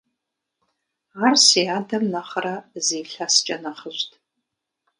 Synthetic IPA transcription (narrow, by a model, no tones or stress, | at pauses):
arsiaːdɐmnɐχraziːɬast͡ʃʼɐnɐχəʒʷtʰʼ